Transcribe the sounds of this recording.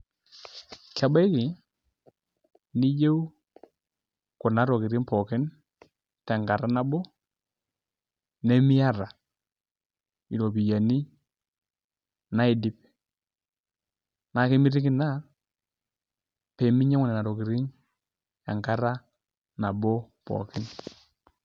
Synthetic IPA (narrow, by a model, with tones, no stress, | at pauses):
ka˨ba˦kɪ˨ | ni˦d͡ʒe˦w | kʊ˨na˨˦ɾɔ˨kɪ˨ɾi˦npɔ˨kɪ˦n | ta˨ŋɡa˨ɾa˦na˦bɔ˦ | nɛ˦mɪ˦ja˦ɾa˨ | i˨ɾo˨bi˨ja˨ni˦ | na˦ɪ˨dɪ˦p | na˨˦kɪ˦mɪ˦ɾi˦kɪ˦na˦ | pɛ˨mɪ˦ɲɛ˦ŋʊ˦nɛ˨na˨ɾo˨ki˨ɾɪ˦ŋ | ja̰˨ŋka˦ɾa˦ | na˨bɔ˦ | pɔ̰˨kɪ˦n